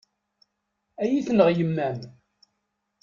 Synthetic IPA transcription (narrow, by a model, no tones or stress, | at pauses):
æjiθnəʁjəmːæm